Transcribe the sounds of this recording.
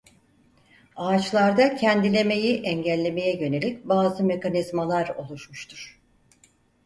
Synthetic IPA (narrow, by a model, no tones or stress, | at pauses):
aːt͡ʃlˠaɾd̪acʰɛnd̪ilʲe̞me̞jiʔɛɲɟælʲːe̞me̞jɛjø̞ne̞lʲic̚baːzɯme̞kʰanizmalˠaɾo̞̰lˠuʃmuʃt̪ʰuɾ̥